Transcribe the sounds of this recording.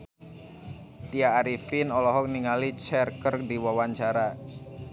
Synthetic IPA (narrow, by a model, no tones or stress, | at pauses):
t̪iaːɾifinɔlɔɦɔk̚niŋalit͡ʃɛrkərdiwawaɲt͡ʃaɾa